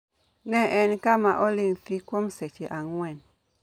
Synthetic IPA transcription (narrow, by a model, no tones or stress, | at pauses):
nɛʔɛnkamaʔolimfikwomsɛt͡ʃeʔaŋwɛn